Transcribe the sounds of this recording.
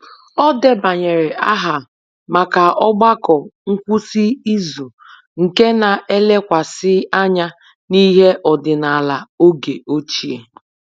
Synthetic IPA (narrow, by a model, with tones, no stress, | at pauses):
ɔ˦de˦ba˨ɲe˨ɾe˨a˦ɦa˨ | ma˨ka˨ɔ˦ɡ͡ba˦kɔ˨ŋ̩˦kʷu˦si˦i˦zu˨ | ŋ̩˨ke˦na˨ʔe˦le˦kʷa˨sɪ˦a˦ɲa˦ | ni˦ɦe˦ʔɔ˨dɪ˨na˨a˨la˨o˦ɡe˨o˦t͡ʃi˦e˨